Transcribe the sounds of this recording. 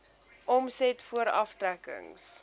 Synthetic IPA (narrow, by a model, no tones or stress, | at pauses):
ʔɔmsɛtfuəɾɐftrækə̰ŋs